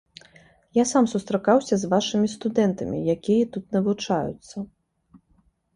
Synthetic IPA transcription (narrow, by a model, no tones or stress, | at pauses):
jasamsust̪ɾakawsʲɐzvaʂɨmʲist̪ud̪ɛnt̪ɐmʲḭjakʲijɐt̪ut̪nɐvut͡ʂajṵt̪sːɐ